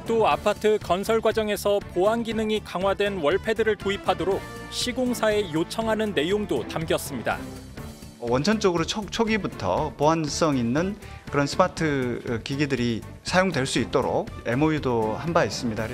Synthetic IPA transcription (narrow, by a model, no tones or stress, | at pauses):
t͈oapʰatʰɯkʌnsʰʌɭɡwad͡ʑʌŋe̞sʰʌpoanɡinɯŋikaŋɦwadwe̞nwʌɭpʰe̞dɯɾɯɭtoipʰadoɾok̚ | ɕʰiɡoŋsʰae̞jot͡ɕʰʌŋɦanɯnːe̞joŋdotamɡjʌs͈ɯmɲida̰ | ʌwʌnt͡ɕʰʌnt͡ɕ͈oɡɯɾot͡ɕʰok̚t͡ɕʰoɡibutʰʌ̰poɦans͈ʌŋinːɯn | kɯɾʌnsʰɯmatʰɯkiɡidɯɾisʰajoŋdweɭs͈uit̚t͈oɾo̰k̚e̞moidohambais͈ɯmɲida